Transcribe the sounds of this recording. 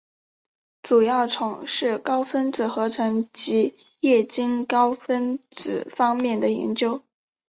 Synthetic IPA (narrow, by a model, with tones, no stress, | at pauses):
ʈ͡ʂu˨˩jɑ˥˩ʊʈ͡ʂʰʊ˨˩˦ŋʂɻ̩˥˩kɑ˥ʊfə˥nt͡sɹ̩˨˩xɤ˧˥ʈ͡ʂʰɤ˧˥ŋt͡ɕi˧˥ | jɛ˥˩t͡ɕi˥ŋkɑ˥ʊfə˥nt͡sɹ̩˨˩fɑ˥ŋmjɛ˥˩nd̪ə˩jɛ̰˧˥nt͡ɕjo˥ʊ